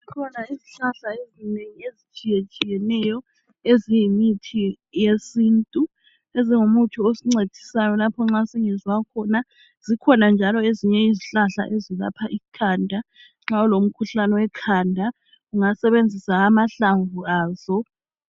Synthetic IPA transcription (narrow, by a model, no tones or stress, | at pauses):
zikʰɔnaiziɬaɬaezineŋiezit͡ʃʼijet͡ʃʼijɛnɛjɔ | ezijimitʰi | jesiːntʼu | eziŋumutʰuosiŋ͡ǀed̥ʱisajɔlapʰɔŋ͡ǁaseŋɛzwakʰɔna | z̥ikʰɔnand͡ʒʱalɔeziɲɛiziɬaɬa̰ʔezila̰pʰaʔikʰaːndʱa | ŋ͡ǁaɔlom̩kʰuɬanɛwɛkʰaːndʱa | uŋasɛβend͡zʱisaːmaɬaɱvuaːz̥ɔ